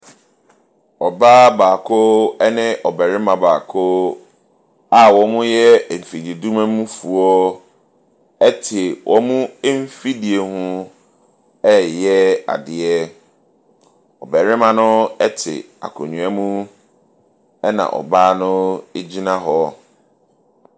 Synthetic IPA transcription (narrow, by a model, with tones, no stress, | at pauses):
ɔ˨baː˦baː˨kʰo˦ɛ˦nɪ̃˦ʔɔ˨bɛ˨ɾɪ˦mã˨baː˨kʰo˦ | a˦wɔ˨mʊ̃˦jɛ˦˨m̩˨fi˨di˨e˨du˦mã˦mũ˦fu˨ɔ˦ | ɛ˦tʰɪ˨wʔɔ˦mũ˦e˦m̩˦fi˦di˨e˨hʊ̃˦ | ɛ˦jɛ˦a̰˨dɪ˨ɛ˦ | ɔ˨bɛ˨ɾɪ˦mã˨nʊ̃˦ɛ˦tʰɪ̰˨ | a̰˨kʰɔ̰˨ɲũ˨a˦mũ˦ | ɛ˦nã̰˨ʔɔ̰˨baː˦nʊ̃˦e˦d͡ʑi˦nã˦ɦɔ˨˦